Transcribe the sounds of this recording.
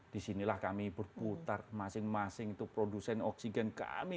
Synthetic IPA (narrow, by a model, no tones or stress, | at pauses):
d̥isinilahkamibərput̪armasɪŋmasɪŋit̪upɾodusɛnɔksiɡɛnka̰mi